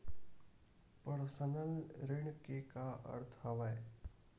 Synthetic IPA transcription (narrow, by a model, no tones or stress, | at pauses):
pəɾsənəlɾɪɳ̃kekaɐ̰ɾt̪ʰɦɐʋae